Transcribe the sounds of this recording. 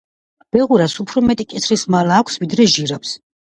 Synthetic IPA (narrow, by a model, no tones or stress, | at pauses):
b̥ɛʁuɾasupʰɾɔmɛt̪ʼikʼit̪sʰɾismalaːkʷʰsvid̪ɾɛʒiɾaps